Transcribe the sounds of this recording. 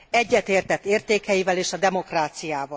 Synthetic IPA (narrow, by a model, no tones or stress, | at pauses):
ɛɟːɛt̪eːrt̪ɛt̪ːeːrt̪eːkɛjivɛleːʃɒd̪ɛmo̞kraːt̪sijaːvɒ